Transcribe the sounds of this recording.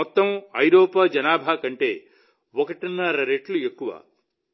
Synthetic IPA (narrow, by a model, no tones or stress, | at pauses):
ɔt̪ːɐmɐjɾoːpaːd͡ʒɐnaːbʱaːkɐɳʈe̞ː | ɔkɐʈinːɐɾɐɾeʈluekːuʋa̰ː